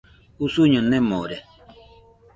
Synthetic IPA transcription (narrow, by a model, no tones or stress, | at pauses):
usuɲõnẽmoɾe